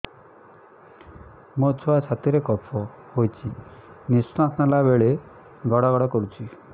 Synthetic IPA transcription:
mot͡ʃʰoat͡ʃʰat̪iɾekɔpʰɔ | hojt͡ʃʰi | nisnɔasnalabeɭe | ɡɔɽɔɡɔɽɔkɔɾut͡ʃʰi

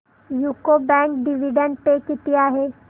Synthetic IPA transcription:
juːkobɛ̃ːŋk̚ɖɪʋɪɖə̃ɳɖ̚pekɪt̪ijaɦɛː

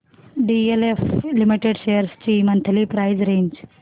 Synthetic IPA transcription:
ɖieleflimiʈeɖʃeːjəɾst͡ʃiːmɐnt̪ʰɐlipɾajd͡ʒɾeːɲd͡ʒ

